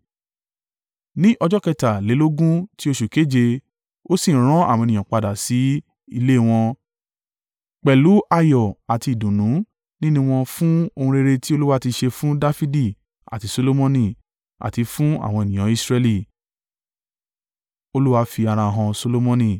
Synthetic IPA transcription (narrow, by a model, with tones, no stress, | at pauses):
nĩ˦ʔɔ˧d͡ʒɔ˦kɛ˦˧ta˨le˨˦lo˦ɡũ˦ti˦o˦ʃu˨ke˨˦d͡ʒe˧ | o˦sĩ˦˨ɾ̃ɔ̃˨˦a̰˦˨wɔ̃˧˨nĩ˨ɔ̃˨k͡pa˨da˨si˨˦ | i˧le˦˨w̃ɔ̃˧ | k͡pɛ˨lu˨˦ʔa˧jɔ˨a˨ti˧i˨dũ˨nũ˨˦ | nĩ˦nũ˦w̃ɔ̃˧fũ˦o˧hũ˧ɾe˧ɾe˧ti˦o˧lu˦wa˦ti˧ʃe˧fũ˦da˦fi˦di˦˨ | a̰˨ti˨˧so˧lo˦mɔ̃˧nĩ˧˨ | a̰˨ti˧fũ˦a̰˦˨w̃ɔ̃˧e˨nĩ˨j̃ã˨˦i˧sɾɛ˧li˨ | o˧lu˦wa˧fi˧a˧ɾ̃ã˧ɦɔ̃˧so˧lo˦mɔ̃˧nĩ˧˨